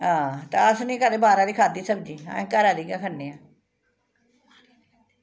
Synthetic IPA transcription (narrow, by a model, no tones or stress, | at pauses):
ɦãːt̪a̰ːəsnĩːkəd̪eːbaːɾaːd̪iːkʰaːd̪iːsəb̚d͡ʒiːã̰ẽːkəɾaːd̪iːɡaːkʰənːeːaː